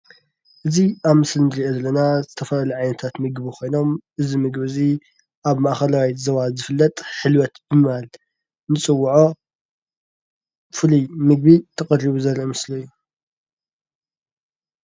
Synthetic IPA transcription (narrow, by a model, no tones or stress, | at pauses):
ʔɨziʔaβmɨslnɾiʔezɐlːɐnazɨt̪ʰɐfɐlaluʕajnɐt̪ʰat̪mɨɡβikʰo̞jno̞mʔɨzimɨɡβɨzi | ʔaβmaʔxɐlawajzɐβazɨfɨlːɐt̪ʼħɨlwɐt̪bɨmɨβal | nɨt͡sʼɨwːuʕo̞ | fɨlumɨɡ̚bit̪ʰɐkʼɐrːiβuzɐɾʔimɨslɐjːu